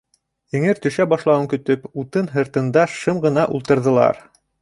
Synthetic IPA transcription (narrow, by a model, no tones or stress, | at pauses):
jɘ̆ŋɘɾt̪ɵ̆ʃæbɑʃlˠɑwɤŋkɵ̆t̪ɵput̪ɤnɦɤ̆ɾt̪ɤ̆nd̪ɑʃɤmʁɤ̆nɑʔulˠt̪ɤ̆ɾðɤ̆lˠɑ̰ɾ